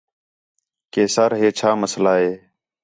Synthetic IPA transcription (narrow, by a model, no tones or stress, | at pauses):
keːsaːɾɦeːt͡ʃʰaːməslaːɦeː